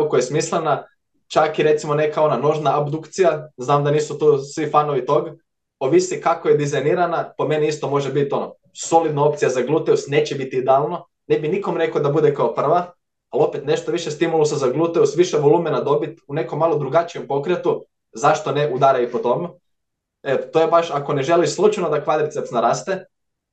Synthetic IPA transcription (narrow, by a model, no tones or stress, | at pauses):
kojesmislˠena | t͡ʃakiɾe̞t̪simo̞ne̞kao̞nano̞ʒnaːbd̪ukt̪sijaznaːmd̪aniːsut̪uːsʋifanoʋit̪o̞ɡ | oʋisikakojed̪izajniːɾanapo̞me̞niist̪o̞mo̞ʒebit̪o̞no | so̞lid̪nao̞p̚t̪sijazaɡlˠut̪eusneːt͡ɕebit̪iid̪ealˠno̞ | nebiniko̞mɾe̞kod̪abud̪e̞kaopr̩ʋa | alo̞pet̪ne̞ʃt̪oʋiʃest̪imulˠusezaɡlˠut̪eusʋiʃeʋo̞lˠuːmenad̪o̞bit̪une̞komːalˠo̞d̪ɾuɡat͡ʃiempo̞kɾet̪u | zaʃt̪o̞neʔud̪aɾajipot̪o̞me | et̪ot̪ojebaʃako̞ne̞ʒe̞lislˠut͡ʃanod̪akʋad̪ɾit̪sept̪snaɾaːst̪e